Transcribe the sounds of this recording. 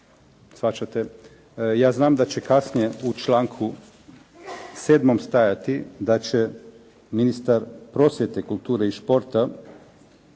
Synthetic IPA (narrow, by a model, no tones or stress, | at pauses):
sʋat͡ʃat̪e | jaːznaːmd̪at͡ɕekasnijeut͡ʃlaːŋkʰu | seːd̪momst̪ajat̪id̪at͡ʃe | minist̪aɾpɾo̞sjet̪ekulˠt̪uːɾeiʃpo̞ɾt̪a